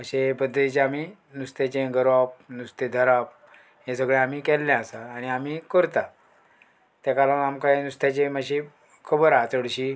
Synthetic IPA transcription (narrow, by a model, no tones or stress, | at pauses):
məɕepəd̪ʱːət̪it͡ɕaami | nust̪et͡ɕẽɡəɾap̚nust̪ed̪ʱəɾap̚ | ɦẽsəɡɭeamiːkɛlːɛ̃asaːɽ̃iamikəɾt̪a | t̪jakalanamkanust̪at͡ɕeməɕi | kʰəbəɾat͡səɽɕi